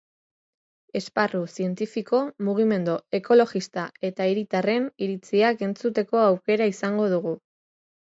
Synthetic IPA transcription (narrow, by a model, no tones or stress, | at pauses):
e̞sparusie̞nt̪ifiko̞muɣ̞ime̞nd̪oe̞ko̞lo̞ɣist̪ae̞t̪aiɾit̪are̞niɾit͡siake̞nt͡sut̪e̞ko̞awke̞ɾaisaŋɡo̞ðuɣu